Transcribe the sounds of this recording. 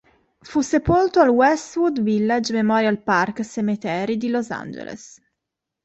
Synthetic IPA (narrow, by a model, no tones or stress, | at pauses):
fusepolt̪oalwɛst̪wud̪vilːad͡ʒmemɔɾjalparksemit̪ɛːɾid̪iloza̰nd͡ʒḛlḛs